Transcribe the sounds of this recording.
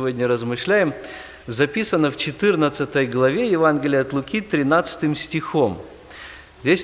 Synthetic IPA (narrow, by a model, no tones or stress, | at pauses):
vodʲnʲəɾəzmɨʂlʲæjɪm | zɐpʲisənːəft͡ɕɪt̪ɨrnət̪sɨt̪əjɡlˠɐvʲejɪvanɡʲɪlʲɪjɐt̪lˠʊkʲit̪ɾʲɪnat̪sɨ̥t̪ɨmsʲtʲɪxo̞m | zʲdʲesʲ